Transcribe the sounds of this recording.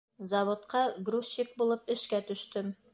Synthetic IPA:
zɐβŏt̪qɑɡrusːik̚bulˠɤpɘ̆ʃkæt̪ɵ̆ʃt̪ɵm

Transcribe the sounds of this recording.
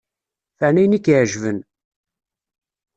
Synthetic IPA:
fəʕnæjnikːʕʒvən

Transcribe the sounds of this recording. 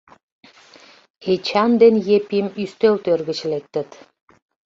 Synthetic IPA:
et͡ɕɑnd̪enjepimyst̪ølt̪ørɣɘ̆t͡ɕlet̪ːə̆t̪

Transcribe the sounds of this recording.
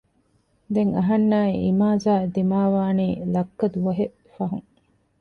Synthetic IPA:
d̪eŋɐɦɐnːaːiʔimaːzaːd̪imaːʋaːniːlɐkːɐd̪uʋɐɦe | fɐɦuŋ

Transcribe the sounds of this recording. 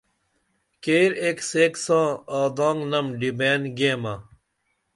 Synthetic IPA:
keːɾekseːksãːaːd̪ãːŋɡnɐmɖibeːnɡeːmɐ

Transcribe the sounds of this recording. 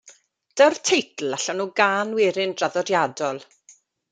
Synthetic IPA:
d̥ərtʰejtʰl̩ˠaɬɔnuːɡaːnwɪɾɪndraðɔdjadɔlˠ

